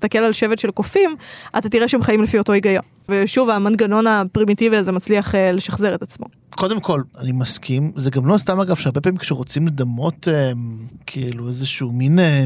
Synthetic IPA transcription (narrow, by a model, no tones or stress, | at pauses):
t̪ake̞lalʃe̞vetʃe̞lkofimʔat̪atiʁeʃeemχaimlefio̞to̞iɡajo̞̰n | veʃuvamanɡano̞napʁimitiviazemat͡sliaχele̞ʃaχze̞ʁe̞t̪at͡smo̞̰ | kʰo̞demko̞lanimaskʰimzeɡamlostamaɡav̥ʃeaʁbe̞pamimkʃeʁo̞t͡simled̪amo̞temkʰiiluezeʃumine